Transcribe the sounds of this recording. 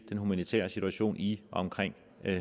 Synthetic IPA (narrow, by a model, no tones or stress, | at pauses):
d̥enɦumænit͡sʰɛ̰ːɐsit͡sʰuæɕo̝̰ːniʔɒ̽ɒ̽mkʰʁeŋ̰